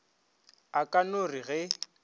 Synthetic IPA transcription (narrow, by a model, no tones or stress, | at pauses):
akʼanoriɣɛ